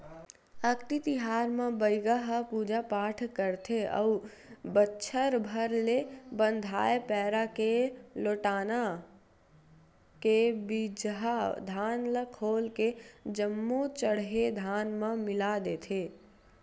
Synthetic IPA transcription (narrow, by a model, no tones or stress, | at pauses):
əkt̪it̪iɦaːɾmẽbəjɡaɦəpuːd͡ʒapaːʈʰkəɾt̪ʰeə̰u | bətːʃʰəɾbʱəɾlebə̃nd̪ʱa̰ːepɛːɾakeloːʈaːna | kebid͡ʒɦad̪ʱaːnləkʰoːlked͡ʒəmːot͡ʃəɽɦed̪ʱaːnmẽmɪlad̪eːt̪ʰeː